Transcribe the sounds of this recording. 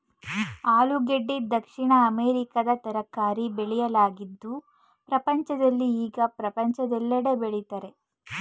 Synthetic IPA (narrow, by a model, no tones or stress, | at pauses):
aːluɡeɖːid̪ɐkʂiɳɐːmeːɾikɐd̪ɐt̪ɐɾɐkːaːɾibeɭijɐlaːɡid̪ːu | pɾɐpɐɲt͡ʃɐd̪ɐlːiiːɡɐpɾɐpɐɲt͡ʃɐd̪ɛlːɐɽe̞beɭit̪ɐɾe̞